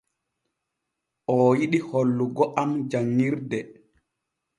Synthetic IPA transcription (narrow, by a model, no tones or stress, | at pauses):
ʔɔjiɗiholːuɡɔʔamd͡ʒaŋːiɾdɛ